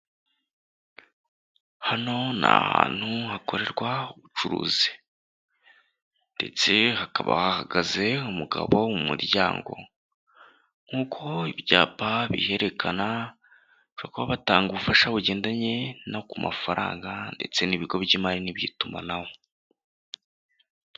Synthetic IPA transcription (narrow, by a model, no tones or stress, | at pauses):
hano̞na̰hha̰ːn̥huhako̞ɾe̞ɾɡwauβut͡ʃuɾṵːzi̥ | nde̞t͡se̞hakaβa̰hahaɡaze̞umuɡa̰βo̞mumuɾjaːŋɡo̞̰ | ŋ̥uːkʰo̞iβjaːpaβḭhe̞ɾe̞kʰana | t͡ʃuakuβaβataːŋɡuβufaʃaβuɟe̞ːndaɲe̞nakumafaɾʔa̰ːŋɡande̞̰t͡se̞niβiɡo̞βjimaɾiniβjiːtuma̰nawo̞